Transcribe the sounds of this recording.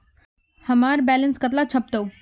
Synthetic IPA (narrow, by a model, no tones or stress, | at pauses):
həmaːɾbɛːlənskət̪lat͡ʃʰɐp̚d̪əu